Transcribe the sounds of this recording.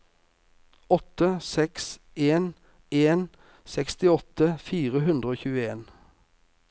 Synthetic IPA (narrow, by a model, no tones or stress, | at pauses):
ɔt̪əsɛks | eːn | eːn | sɛkst̪ɪɔt̪əfiːʁəɦʉnd̪ʁəoːçʉːəeːn